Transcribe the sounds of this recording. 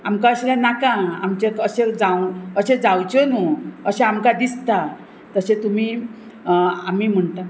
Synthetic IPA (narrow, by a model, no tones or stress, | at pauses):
amkaəɕlãnakãa̰mt͡ɕekəɕed͡zawəɕed͡zawt͡ɕenuəɕeamkad̪ist̪a | t̪əɕẽt̪um̤iː | amiːm̤əɳt̪a